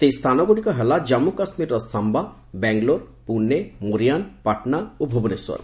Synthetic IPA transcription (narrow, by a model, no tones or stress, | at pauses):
sejst̪ʰanɔɡoɽikɔɦelad͡ʒamːukasmiɾɔsamba | bɛŋɡloɾ | punːemuɾijanpaʈnaobʱoboneswɔ̰ɾ